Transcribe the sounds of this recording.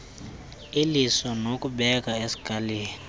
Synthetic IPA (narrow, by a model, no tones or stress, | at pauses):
ilisɔnokuɓɛk̬ʼaesi̥ɡʱaleːni